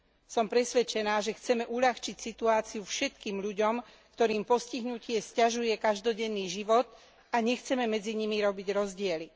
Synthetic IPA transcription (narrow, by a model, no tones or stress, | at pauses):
sɔmpɾɛsʋɛt͡ʃɛnaːʒɛxt͡sɛmɛʔuʎaxt͡ʃicsit̪uaːt͡siufʃɛt̪kiːmʎuɟɔm | kt̪ɔɾiːmpɔsciɦnucɪɛscaʒujɛkaʒd̪ɔɟɛnːiːʒiʋɔt̪ | aɲɛxt͡sɛmɛmɛd͡ziɲimiɾɔbiɟɾɔzɟɪɛli